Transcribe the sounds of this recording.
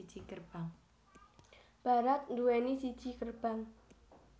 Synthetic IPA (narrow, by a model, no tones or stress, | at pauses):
d̥ʒ̥ikərb̥aŋ | b̥a̤ɾat̪̚nd̪uwenisid̥ʒ̥i̤kərb̥aŋ